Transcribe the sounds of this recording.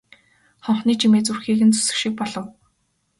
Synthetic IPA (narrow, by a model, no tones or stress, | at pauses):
χɔɴχniːt͡ɕʰimeːt͡surxiːɣɘ̆nt͡sɵ̥sɘ̆kʃĭk̚pɔɮɞ̆w